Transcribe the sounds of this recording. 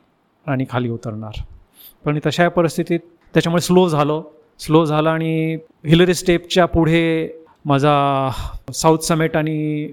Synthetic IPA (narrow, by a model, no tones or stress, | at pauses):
aɽ̃iːkʰaliːut̪əɾɳaɾ | pəɳ̃it̪əɕajpəɾist̪ʰit̪iːt̪ | t̪ːjat͡ɕamuɭeslod͡zʱalə | slod͡zʱaləaɽ̃i | ɦiləɾisʈep̚t͡ɕjapuɽ̤e | mad͡zʱa | sawt̪ʰsəmeʈaɽ̃i